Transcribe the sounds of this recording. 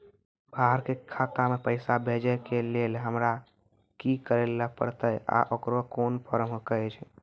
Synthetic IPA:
bʱaɦəɾkekʰat̪amepəɪsabʱed͡ʒəkelelɦəmɾa | kikəɾelːəpə̰ɾt̪əja̰ʔokɾokonpʰəɾəmɦot̪ət͡ʃʰ

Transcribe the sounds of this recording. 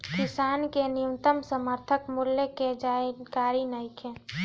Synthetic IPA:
kɪsaːnkenɪjumt̪əmsəməɾt̪ʰəkmʊljəked͡ʒaɪkaːɾinəɪkʰẽ

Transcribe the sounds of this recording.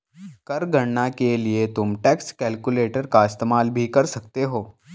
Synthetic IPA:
kəɾɡʱəɳɳakeliet̪umʈekskɛlkuleʈəɾkaɪst̪emalbʱiːkəɾsəkt̪eɦoː

